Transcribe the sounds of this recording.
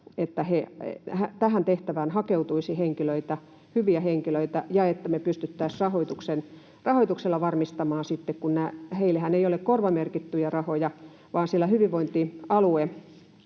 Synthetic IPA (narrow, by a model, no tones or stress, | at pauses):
et̪ːæhehæt̪æhænt̪eht̪æʋæːnhɑkeut̪uisiheŋkiløit̪æ | hyʋiæheŋkiløit̪æjɑet̪ːæmepyst̪yt̪ːæːsrɑhoit̪uksen | rɑhoit̪ukselːɑʋɑrmist̪ɑmɑːnsit̪ːekkunnæːheilːehæneijolekkorʋɑmerkit̪ːyjærɑhojɑ | ʋɑːnsilːæhyʋiʋʋoint̪iɑlue